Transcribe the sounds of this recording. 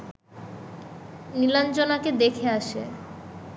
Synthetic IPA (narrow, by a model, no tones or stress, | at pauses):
niland͡ʑonaked̪ekʰeaʃḛ